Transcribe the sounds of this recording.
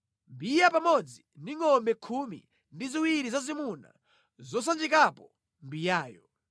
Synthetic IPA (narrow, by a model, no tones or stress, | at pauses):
mbijapamɔd͡ziniŋɔmbɛkʰumḭ | ndiziwiɾizazimuna̰ | zɔs̬and͡ʒikapɔ | mbijaːjɔ